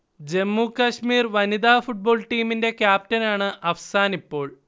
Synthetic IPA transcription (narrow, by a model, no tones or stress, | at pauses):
d͡ʑe̞mːukɐɕmiːrʋɐnid̪aːfuʈ̚bo̞ːɭʈiːminde̞kjaːp̚tɐnaːɳɨʔɐʋɐsaːnipːo̞ːɭ